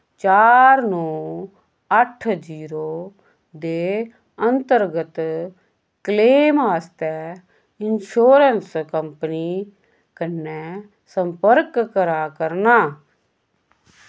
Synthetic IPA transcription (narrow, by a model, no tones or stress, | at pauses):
t͡ʃaːɾnõː | əʈʰd͡ʒiːɾoː | d̪e | ə̃nt̪əɾɡət̪ | kleːmɦaːst̪ɛ | ɪnʃoːɾənskəmpəni | kənːɛ | sə̃mpəɾkːəɾaːkəɾnaː